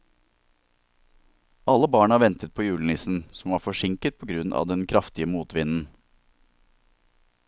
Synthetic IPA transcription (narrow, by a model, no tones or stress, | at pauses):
ʔɑləbɑːɳɑːʋɛnt̪ət̪̚pʰoːjʉːlən̩ɪsn̩sɔmʋɑːɾfɔʂɪŋkət̪̚pʰoːɡɾʉnʔɑ̰ːʋd̪ɛnkʰɾɑft̪ɪəmuːt̪ʋɪnn̩